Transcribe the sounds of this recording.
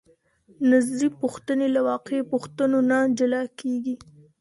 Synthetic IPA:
nazd̪ipuxt̪ənelawɑqepuxt̪ənonad͡ʒalɑkeɡi

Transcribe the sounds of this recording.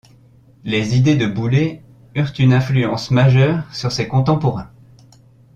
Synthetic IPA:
lezid̪ed̪əbule | yʁt̪ynɛ̃flyɑ̃smaʒœʁsyʁsekɔ̃t̪ɑ̃pɔʁɛ̃

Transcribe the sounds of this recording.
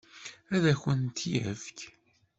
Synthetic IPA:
æðæçənt̪jæ̰fk

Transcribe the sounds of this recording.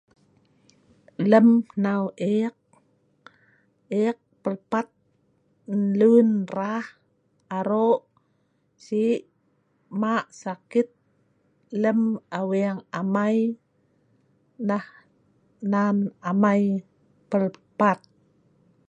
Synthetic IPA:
ləmnawʔeq̚ | ek̚pəlpat̪̚ | nlunrah | aɾoʔ | siʔ | maʔsakit̪̚ | ləmawiaŋamaj | nah | nanamaj | pəlpat̪̚

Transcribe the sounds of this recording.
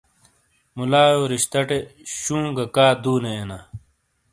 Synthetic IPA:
mulaːjoːɾiɕt̪ɐʈeɕũːŋɡɐkaːd̪uːneːna

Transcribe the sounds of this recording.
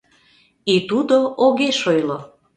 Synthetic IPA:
it̪ud̪oʔoɣeʃojlo

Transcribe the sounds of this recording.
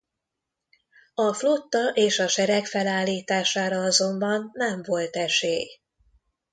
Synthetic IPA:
ɒflo̞t̪ːɒʔeːʃɒʃɛɾɛkfɛlaːlːiːt̪aːʃaːɾɒɒzo̞mbɒnːɛɱvo̞lt̪ɛʃeːj

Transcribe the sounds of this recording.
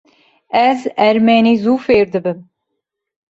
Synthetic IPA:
ɛzɛɾmɛniːzuːfeːɾd̪ɨbɨm

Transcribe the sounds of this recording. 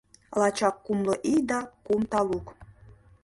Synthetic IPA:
lɑt͡ɕɑkːumlɤʔijd̪ɑkumt̪ɑluk

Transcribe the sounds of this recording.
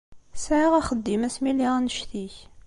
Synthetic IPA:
sʕiʁæχəd̪ːimæsmiliʁnəʃθiç

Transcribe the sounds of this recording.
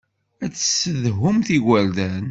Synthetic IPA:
æt͡sːə̥səðɦʊmθiɡʷæld̪æn

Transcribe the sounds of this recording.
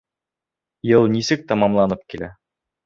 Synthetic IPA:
jɤlˠnisɘk̚t̪ɑmɑmlˠɑnɤp̚kilæ̰

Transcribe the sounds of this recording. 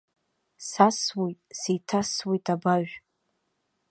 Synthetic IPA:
saswijtʼsejtʰaswijtʼʰabaʒᶣʷ

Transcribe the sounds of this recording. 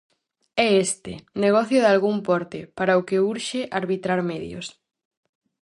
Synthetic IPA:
ɛest̪ɪ̰neɣ̞ɔθjʊðalɣuŋpɔɾt̪ɪpaɾɐʊkeuɾʃeʔaɾβit̪ɾaɾmɛðjo̰s

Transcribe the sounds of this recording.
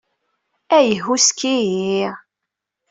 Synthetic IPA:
æjəɦuskiji

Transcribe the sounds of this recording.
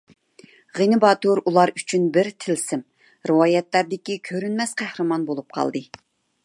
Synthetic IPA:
ʁenɨbɑːt̪ʰoɾulˠɑɾyt͡ʃʰynbɪɾt̪ʰɪlsɪm | ɾɨwɑːjɛt̪læɾd̪ɪkʲikʲʰøɾynmɛsqʰæhɾɨmɑnbolˠup̚qʰɑ̰lˠd̪ɨ

